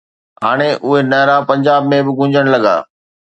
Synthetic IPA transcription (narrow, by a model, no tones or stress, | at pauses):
ɦaːɽ̃eʔʊɦenɐːɾapɐ̃ɲd͡ʑaːbmẽbɪɡʱʊ̃ɲd͡ʑəɽ̃lɐɡa̰ː